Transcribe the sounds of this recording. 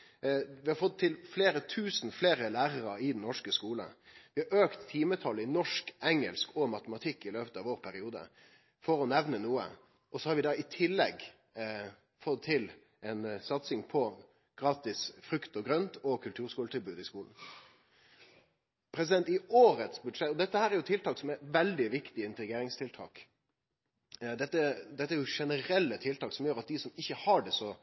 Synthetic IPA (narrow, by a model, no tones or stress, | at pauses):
ʋɪhɑɾfɔt̪ʰːɪlfleːɾət̪ʰʉːsn̩fleːɾəlæːɾəɾəɪd̪ɛnnɔʂkəskuːlə̰ʋɪhɑɾøːkt̪ʰːiːmət̪ʰɑlːɪnɔʂkɛŋə̰lskɔmɑt̪əmɑt̪ʰɪkːɪløːpət̪ɑʋoːʁpʰæɾɪuːd̪ə̰ | fɔɾɔnɛʋnənuːə̰ | ɔsɔhɑɾʋɪd̪ɑɪt̪ʰɪlːɛɡ | fɔt̪ʰːɪl | ɛnsɑt̪sɪŋpʰɔ | ɡ̥ɾɑːt̪ɪsfɾʉkt̪ɔɡɾœnt̪ɔkʰʉlt̪ʰʉːɾskuːlt̪ɪlbʉːd̪ɪskuːln̩ | pʰɾɛsɪd̪ɛnt̪ɪoːɾət̪sbʉd̪ʂɛt̪ːɔd̪ɛt̪ːəhæːɾæɾjʊt̪ʰɪlt̪ʰɑːksɔmæʋɛld̪ɪʋɪkt̪ɪɪnt̪əɾɪɡeːɾɪŋst̪ʰɪlt̪ʰɑ̰ːk | d̪ɛt̪ːəd̪ɛt̪ːəæɾjʊʂɛnəɾɛlːət̪ʰɪlt̪ɑːksɔmjøːɾɑt̪̚d̪ɪsɔmɪçːəhɑɖɛsɔ